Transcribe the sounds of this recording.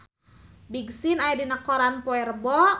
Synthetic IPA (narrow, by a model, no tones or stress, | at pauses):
biɡsinajdinəkɔɾanpɔɛrbɔ